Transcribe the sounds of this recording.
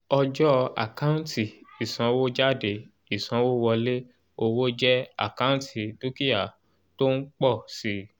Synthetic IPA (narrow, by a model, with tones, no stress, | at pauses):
ɔ˧d͡ʒɔ˦a̰˨kã˦n˦tʰi˨i˨sã˨˧wo˦d͡ʒa˦˨de˧˨ | i˨sã˨˧˦wo˦wɔ˧le˦ | o˦˧wo˦d͡ʒɛ˦a̰˦˨kã˦tʰi˨du˦ki˦ja˨ | to˦n̩˦k͡pɔ˦˨si˨˦